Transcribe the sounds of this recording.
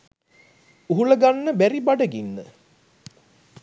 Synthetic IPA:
uɦuləɡanːəbæɾibaɖəɡinːə̰

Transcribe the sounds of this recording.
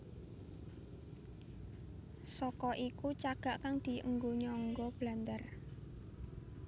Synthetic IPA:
sɔkɔʔikut͡ʃaɡ̥a̤ʔkaŋd̪̥i̤əŋɡoɲɔŋɡɔb̥la̤nd̪ər

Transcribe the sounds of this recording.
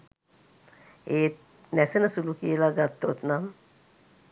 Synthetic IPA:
eːt̪ | næsenəsulukiəlaɡat̪ːot̪nam

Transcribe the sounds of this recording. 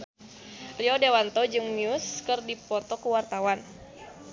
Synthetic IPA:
riɔdewant̪ɔd͡ʒɨŋniuskɨrdipɔt̪ɔkuwart̪awan

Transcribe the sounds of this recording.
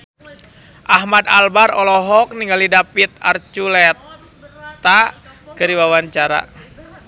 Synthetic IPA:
ʔaɦmad̪albaɾɔlɔɦɔk̚niŋɡalidapit̪̚a̰rt͡ʃulɛt̪ | akəɾiwawant͡ʃaɾa̰

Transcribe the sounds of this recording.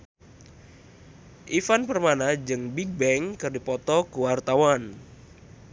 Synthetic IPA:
ʔifanpərmanad͡ʒɨŋbiɡ̚bɛŋkɨrdipɔt̪ɔkuwart̪awan

